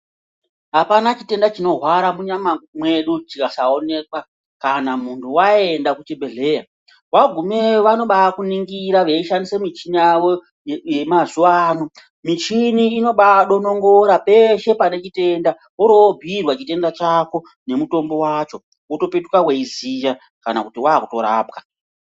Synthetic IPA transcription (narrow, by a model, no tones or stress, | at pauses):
ɦapanat͡ʃite̞ndat͡ʃino̞ɦwaɾamuɲamamwe̞ɗut͡ʃikasaone̞kwa | kanamuntʰuwae̞ndakut͡ʃebʱe̞ɮe̞ːja | waɡʱume̞ʋano̞ɓakuniŋɡiɾaʋe̞iʃandisemit͡ʃinijawo | jemazuʋaːno | mit͡ʃiniːno̞ɓaɗono̞ŋɡo̞ɾape̞ʃe̞pane̞t͡ʃite̞nda | oɾobʱirwat͡ʃite̞ndat͡ʃako̞ | ne̞muto̞mbo̞waːt͡ʃo̞ | uto̞pe̞tukaweizija | kana̰kutiwaːkuto̞̰ɾa̰ːp̚ka